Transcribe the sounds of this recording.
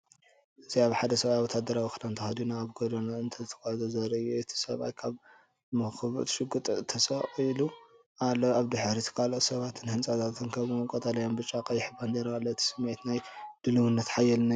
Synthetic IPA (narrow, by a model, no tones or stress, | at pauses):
ʔɨziaβħad̪ɐsɐβajawɔt̪ʰad̪ɐɾawixɨlant̪ʰɐxɐd̪unaːβɡod̪onaɨnt̪ʰɐzɨt̪ʰɐ̥kahzozɐɾɐɨjuɨt̪ʰi̥sɐβa̰jkʰaβ | mɐxɨβɨ̰t̪ʰʃɨɡɨt̪ʼt̪ʰːɐsɐʔilu | ʔalːoaβd̪ɨħɾit̪ʰɨ̥kʰaloʔsɐβat̪ʰɨnhɨnt͡sʼat̪ʰat̪ʰɨnkʰɐβkʼot̪ʼɐlɐjombɨt͡ʃʼːakʼɐjɪħbanzɐɾalːoɨt̪ʰi̥sɨmːet̪najd̪̥ɨlɨwɨnːɐt̪ħajɛlna